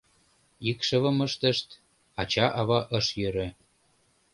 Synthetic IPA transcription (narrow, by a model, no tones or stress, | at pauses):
ikʃə̆βə̆məʃt̪ə̆ʃt̪ | ɑt͡ɕɑʔɑβɑʔəʃjøɾø̆